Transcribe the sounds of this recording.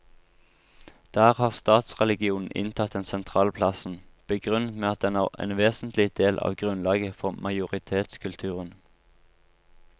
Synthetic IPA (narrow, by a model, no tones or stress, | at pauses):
d̪̥æːʁhɑːʁst̪ɑːt̪sʁɛlɪɡɪuːnn̩ʔɪ̰nt̪ʰɑt̪ɛnsɛnt̪ʰʁɑːlpʰlɑsn̩b̥əɡʁʉnət̪meːɑt̪̚d̪ɛnæːʁḛːnʋeːsn̩t̪lɪd̪̥eːlʔɑ̰ːʋɡʁʉnlɑːɡəfɔʁmʔɑɪʊʁɪt̪ʰeːt̪skʉlt̪ʰʉːʁən